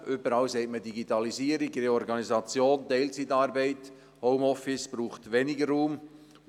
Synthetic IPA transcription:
ʏbəɾɑwsɛɪtmədiɡitɑliziːəɾiɡreɔɾɡɑnizɑt͡sjoːntɛɪlt͡sitɑːɾbɛɪt | hɔʊmɔfɪsb̥ɾuːχtʋɛnɪɡərːuːm

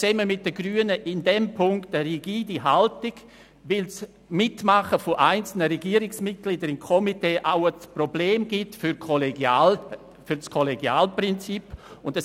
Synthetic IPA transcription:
t͡sɛːməmɪt̚d̥əɡryːənəʔɪndɛmpʰʊŋktəɾiɡiːdiɦaltɪɡ̥ | vɪls | mɪtmaχəfoʔaɪnt͡sl̩nəɾɛɡiːəɾɪksmɪt̚ɡ̥lidəɾɪnkʰɔmiteːʔaʊəsprobleːmɡ̥ɪtfʏɾkʰoleɡjaːl | fʏɾskʰɔleɡjaːlprɪnt͡sipʊndə

